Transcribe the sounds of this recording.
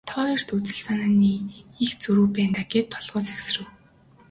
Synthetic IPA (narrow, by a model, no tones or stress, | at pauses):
t̪ʰɔːir̥t̪ut͡sɘ̆ɬsanaːniːixt͡sɵɾŭːpæːnt̪aɡet̪ʰːɔɮʁɔːt͡sæks̆rɘ̆w